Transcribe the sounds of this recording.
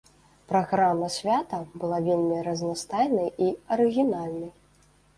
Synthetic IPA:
pɾaɣɾamːɐsʲvʲat̪ɐbɨlˠavʲelʲmʲiɾɐznast̪ajnɐjiɐɾɨɣʲinalʲnɐj

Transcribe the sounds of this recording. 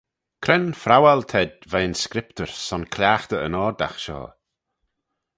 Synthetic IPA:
kʰɾɛnfɾawalt̪ʰɛdvaənskɾɪpt̪əɹsɔnkʰljaːxt̪əə̰nɔːɾd̪a̰xʃɔ̰ː

